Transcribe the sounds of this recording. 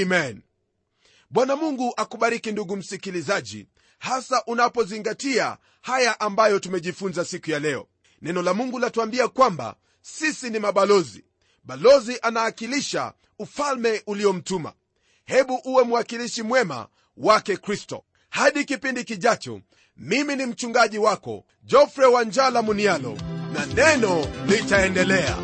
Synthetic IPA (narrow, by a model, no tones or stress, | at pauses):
mɛn | ɓwanamuŋɡuʔakuɓaɾikinduɡum̩sikilizaʄḭ | hasaʔunapɔziŋɡatia̰ | hajaʔambajɔtumɛʄifunzasikujalɛɔ̰ | nɛnɔlamuŋɡulatuambiakwamba̰ | sisinimaɓalɔzi | ɓalɔziʔanaːkiliʃa̰ | ufalmɛʔuliɔm̩tuma̰ | hɛɓuʔuwɛmuwakiliʃimwɛma̰ | wakɛkɾistɔ̰ | haɗikipindikiʄat͡ʃɔ̰ | miminim̩t͡ʃuŋɡaʄiwakɔ̰ | d͡ʒɔfɾɛwaɲd͡ʒalamunialɔ̰nanɛnɔlitaɛndɛlɛa̰